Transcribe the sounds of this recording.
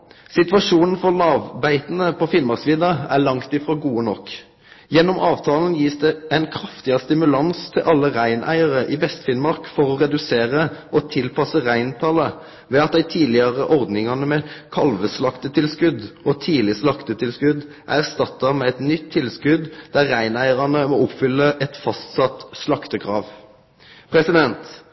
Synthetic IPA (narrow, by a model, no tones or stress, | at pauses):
sɪt̪ʋɑʂuːnn̩fɔʁlɑːʋbæɪt̪ənəpʰɔfɪnmɑʁsiːd̪ɑæɭɑŋt̪ɪfʁoːɡuːənɔk | jɛnːɔmʔɑːʋt̪ʰɑːln̩jiːsd̪ɛænkʰɾɑft̪ɪɑst̪ɪmʉlɑnst̪ʰɪlʔɑlːəʁæɪnʔæ̰ɪɑʁəʔɪʋɛst̪fɪnmɑʁkfɔʁɔʁɛd̪ʉseːʁəʔɔt̪ʰɪlpʰɑsəʁæɪnt̪ʰɑlə | ʋɛɑt̪̚d̪æɪt̪ʰiːlɪɑʁəʔɔʁd̪nɪŋɑnəmɛkʰɑlʋəslɑkt̪ət̪ʰɪlskʉd̪ɔt̪ʰiːlɪslɑkt̪ət̪ʰɪlskʉd̪ | ʔæ̰æʁst̪ɑt̪ːɑmɛːɛt̪nʏt̪ʰːɪlskʉd̪d̪æʁːæɪnæɪəʁɑnəmɔʊpfʏlːəʔɛt̪fɑst̪sɑt̪slɑkt̪əkʰʁɑːʋ | pʰʁɛsɪd̪ɛnt̪